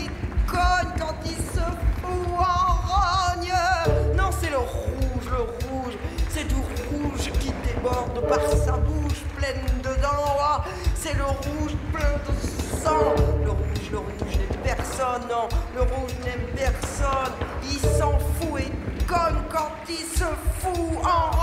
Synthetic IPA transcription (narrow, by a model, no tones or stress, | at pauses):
e | kɔɲkɑ̃t̪ilsəfuɑʁaɲ | nɔ̃sɛləʁuʒləʁuʒsɛd̪yʁuʒkʲid̪ebɔʁd̪paʁsabuʃplɛnd̪əd̪ɑ̃a | sɛləʁuʒplɛ̃d̪əsɑ̃ləʁuʒləʁuʒnɛmpɛʁsɔnːɔ̃ləʁuʒnɛmpɛʁsɔnilsɑ̃fuekɔmkɑ̃t̪ilsəfuɑ̃